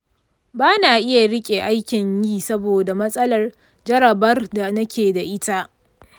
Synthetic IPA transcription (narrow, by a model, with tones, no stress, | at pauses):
baː˦naː˨ʔɪ˦ja˨ɽɪ˦kʲʼeː˨ʔa˦jkʲɪ˨ɲjiː˦sɐ˦boː˨da˨mɐ˦sʼɐ˦lɐ˨r | d͡ʒɐ˦ɽɐ˨bɐ˦rda˨nɐ˦kʲeː˨da˨ʔɪ˦ta˦ʔ